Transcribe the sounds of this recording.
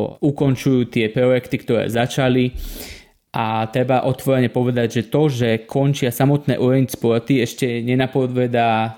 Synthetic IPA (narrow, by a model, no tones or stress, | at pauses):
ukɔnt͡ʃujuːt̪ɪɛpɾɔjɛkt̪ikt̪ɔɾɛ̰ːzat͡ʃali | ʔat̪ɾɛbaʔɔt̪ʋɔɾɛɲɛpɔʋɛd̪aɟʒɛt̪ɔʒɛkʰɔnt͡ʃɪasamɔt̪nɛ̰ːʔuɾɛɲspɔɾt̪iɛʃcɛɲɛnapɔd̪ʋɛd̪aː